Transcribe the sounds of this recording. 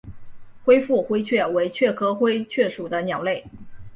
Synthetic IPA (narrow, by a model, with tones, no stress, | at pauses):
xwe˥ɪfu˥˩xwe˥ɪt͡ɕʰɥɛ˥˩we˧˥ɪt͡ɕʰɥɛ˥˩kʰɤ˥xwe˥ɪt͡ɕʰɥɛ˥˩ʂu˨˩d̪ə˦njɑ˨˩ʊle˥˩ɪ